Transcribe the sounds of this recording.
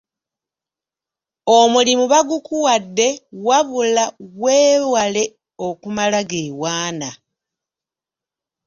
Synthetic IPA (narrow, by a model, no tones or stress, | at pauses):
omulimuβaɡukuwadːe̞waβulaweːwale̞ | o̞kumalaɡeːwaːna